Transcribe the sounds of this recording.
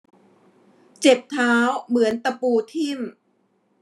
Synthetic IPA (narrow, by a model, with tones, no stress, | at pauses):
t͡ɕe˨˩p̚t̪ʰaː˦˥wmɯ˩˦ənt̪a˧puː˧t̪ʰi˥˩m